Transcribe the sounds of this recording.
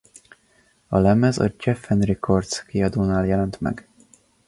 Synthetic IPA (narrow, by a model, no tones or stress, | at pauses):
ɒlɛmɛzɒ̰d͡ʒɛfːɛnrikʰordt̪skiɒd̪oːnaːljɛlɛnt̪mɛ̰ɡ